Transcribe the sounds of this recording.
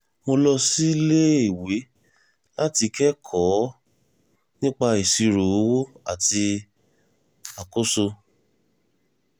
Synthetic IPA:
mo˧lɔ˧si˦le˦i˦˨we˨˦ | la˦ti˧kɛ˦kʰɔ˨˦ | nĩ˦k͡pa˧i˨si˧ɾo˨o˦wo˦a˨ti˧ | a˨ko˦so˧

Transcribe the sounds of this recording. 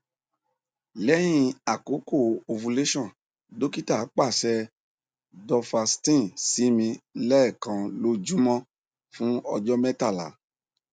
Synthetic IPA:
lɛ˨˦j̃ĩ˧a˨ko˨˦ko˦˨o˧fu˧le˦ʃɔ̃˦˨ | do˦ki˦ta˦˨a˨˦k͡pa˦˨sɛ˧ | dɔ˧fa˧stĩ˦˨si˨˦mĩ˧lɛ˦ɛ˦˨kã˧lo˦d͡ʒu˦mɔ̃˦ | fũ˦ɔ˧d͡ʒɔ˦mɛ˦ta˦˨la̰˨˦

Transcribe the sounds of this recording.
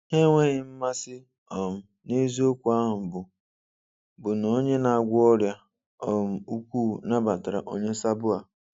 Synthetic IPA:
ɦe˦ŋʷe˦ɣɪ˨m̩˦ma˦sɪ˦ | ɔ˨m̩˨ | ne˦zi˦o˦kʷu˨a˦ɦʊ˨m̩˨bʊ˨ | bʊ˨no˨˦ɲe˦na˨a˨ɡʷʊ˦ɔ˦ɾja˦ | ɔ˨m̩˨u˦kʷuː˦˨na˦ba˨ta˨ɾa̰˨ʔo˦ɲe˦sa˦bʊ˦a˨

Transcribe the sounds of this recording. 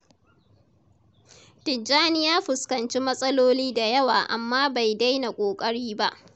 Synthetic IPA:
tɪ˨d͡ʒaː˦nɪ˦jaː˦ɸɪ˨skɐ˨nt͡ʃi˦mɐ˦sʼɐ˦loː˦liː˦da˨jɐ˦waː˨ʔa˨mːaː˦ba˨jda˦jna˨kʷʼoː˨kʼɐ˦ɽiː˦ba˦ʔ

